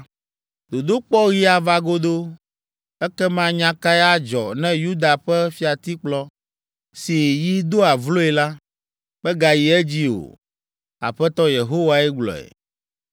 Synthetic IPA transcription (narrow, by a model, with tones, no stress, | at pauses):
d̪̥o˨d̪o˦k͡pɔ˦ɣi˦a˨va˦ɡo˦d̪o˦ | ɛ˦kɛ˦mã˦ɲã˦ka˦jɛ˦a˦d͡ʒɔ̰˨nɛ̃˦ju˦d̪a˨ɸɛ˦fi˨˦a˨t̪i˦k͡plɔ˦ | si˨ji˦d̪o˦a˨vlo˦ɛ˨la˦ | bɛ˦ɡa˨ji˨ɛ˦d͡ʑi˦o̰˨ | a̰˨ɸɛ˦t̪ɔ˦je˨ɦo˦wa˨ɛ˦ɡ͡blɔ̰˨ɛ̰˨